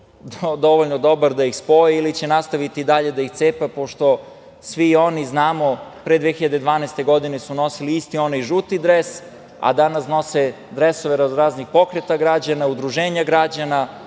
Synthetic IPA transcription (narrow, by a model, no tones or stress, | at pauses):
d̪o̞ʋoʎnod̪o̞baɾd̪aixspo̞jeilit͡ɕe̞nast̪aʋit̪id̪aʎe̞d̪aixt̪seːpapo̞ʃt̪o̞ | sʋio̞niznaːmo̞pɾed̪ʋexiʎad̪ed̪ʋaːnest̪e̞ɡo̞d̪inesuno̞siliist̪io̞najʒut̪id̪ɾes | a̰d̪anasno̞se | d̪ɾeso̞ʋeɾazɾaːznixpo̞kɾet̪aɡɾad͡ʑanaud̪ɾuʒeːɲaɡɾad͡ʑana